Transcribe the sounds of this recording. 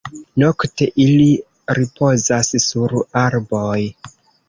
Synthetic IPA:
no̞kte̞ʔili | ɾipo̞zassuɾaɾbo̞j

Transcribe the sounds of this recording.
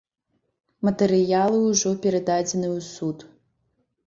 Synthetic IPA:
mɐt̪ɛɾɨjalˠɨwʐɔpʲɛɾɐd̪ad͡zʲɛnɨwsut̪

